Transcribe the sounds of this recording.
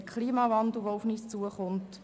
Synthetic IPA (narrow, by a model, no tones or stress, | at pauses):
əkʰliːmɑvɑndl̩ˠʋoʊfniːst͡suəχʊnt